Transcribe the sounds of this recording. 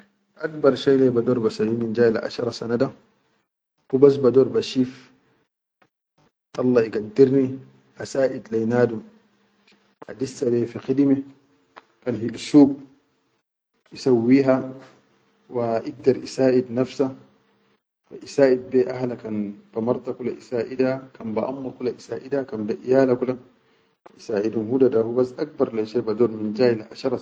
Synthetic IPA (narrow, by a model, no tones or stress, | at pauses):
ʔak̚bɑɾˤʃajlɛbad̪oːɾbasawiːnind͡ʒaːlaʔa̰ʃɑɾˤɑsanada | hubas̬bad̪oːɾbaʃiːf | ʔɑlːɑiɡad̪ːiɾni | ʔasaːʔid̪lajnaːdum | ʔa̰disːalɛfiqid̪ime | kanhilsuːb̚ | ʔisawːiːɦa | waʔiɡ̚dɑɾʔisaːʔid̪nafsa | waʔisaːʔid̪̚bɛʔahlakanb̥amɑɾˤt̪akulaʔisaːʔidakanbaʔamːakulaʔisaːʔidakanbaʔijaːlakula | isaːʔidumhudadahubasʔak̚bɑɾˤlaʃabadɔɾmind͡ʒaːilʔaʃɑɾˤɑ